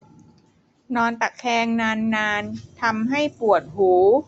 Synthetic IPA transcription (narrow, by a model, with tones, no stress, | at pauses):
nɔː˧nt̪a˨˩kkʰɛː˧ŋnaː˧nːaː˧nt̪ʰa˧mɦa˥˩jpu˨˩ət̪̚huː˩˦